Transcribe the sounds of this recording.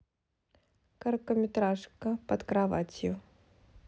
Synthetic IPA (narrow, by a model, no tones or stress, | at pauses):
kɐrkəmʲɪt̪ɾaʂkəpɐt̪kɾava̰t͡sʲjʊ